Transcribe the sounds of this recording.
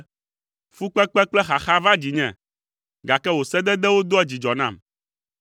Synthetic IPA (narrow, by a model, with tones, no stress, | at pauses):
fu˦k͡pɛ˦k͡pɛ˦k͡plɛ˦xa˨xa˦va˦d͡ʑi˨ɲɛ̃˦˨ | ɡa˨kɛ˦wo˨sɛ˦d̪ɛ˦d̪ɛ˦wo˦d̪o˦ɛ˦d͡ʑi˨d͡ʒɔ˨nã̰˦˨m